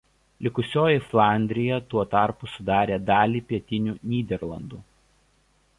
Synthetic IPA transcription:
lʲɪkʊsʲoːjɪflˠɑˑnʲd̪ʲɾʲɪjɛt̪uɔt̪ɑˑɾpʊsʊd̪ɑːɾʲeːd̪ɑːlʲiːpʲiɛt̪ʲɪnʲuːnʲiːd̪ʲɛɾlˠɐ̰nd̪uː

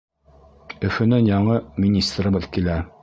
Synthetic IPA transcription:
ɵ̆fɵ̆nɘnjɑɴɤmʲinʲist̪rbɤðkilæ

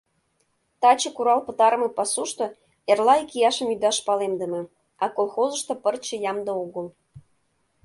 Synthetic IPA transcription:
t̪ɑt͡ɕɤ̆kuɾɑlpə̆t̪ɑɾəmə̆pɑsuʃt̪o | erlɑikijɑʃə̆mjyd̪ɑʃpɑlemd̪əmĕ | ɑkolxozə̆ʃt̪opərt͡ɕə̆jɑmd̪ooɣəl

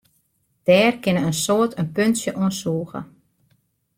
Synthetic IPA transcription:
d̥ɛːrkɪnəənsoətʰənpønsjəʔɔnsuːɣə̰

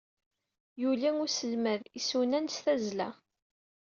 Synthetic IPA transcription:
julæŋʊsəlmæðisunænst̪æzlæ̰

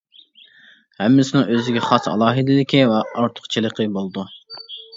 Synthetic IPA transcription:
hɛmːɪsɪnɪŋøzɪɡʲɛχɑsɑ̰lˠɑːɦɨd̪ɪlɪkʲivɛɑɾt̪ʰʊ̥χt͡ʃʰɨlˠəqʰəbolˠd̪u

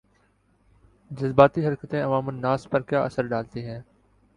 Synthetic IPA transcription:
d͡ʒəzbaːt̪iːɦəɾkət̪ẽːəʋaːmənːaːspəɾkjaːʔəsəɾɖaːlt̪iːɦɛ̃ː

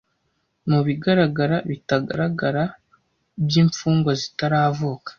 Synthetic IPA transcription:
muβiɡaɾaɡaɾaβitaɡa̰ɾaɡaɾa | bjiːɱfuːŋɡwazitaɾaːvukḁ

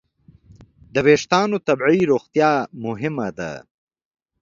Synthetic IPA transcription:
d̪əweːʂt̪ɑːnot̪ɐbʕiɾoːxt̪jɑːmʊɦɪmad̪a̰

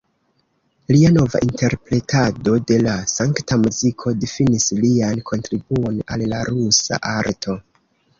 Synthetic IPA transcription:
liano̞va̰ʔinte̞ɾpɾe̞tʰado̞de̞lasaŋktamuzikʰo̞difinisliankʰo̞ntɾibuo̞na̰lːaɾusa̰ʔaɾtʰo̞

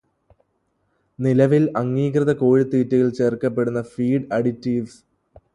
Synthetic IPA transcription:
nilɐʋilɐŋːiːkrɐðɐkoːɻit̪ːiːtːɐjilt͡ɕe̞ːrkːɐpːe̞ɽunːɐfiːɖɐɽitːiːʋs

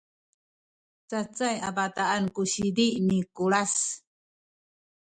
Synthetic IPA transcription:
t͡sat͡sajabataankuɕidiʔnikuɭas

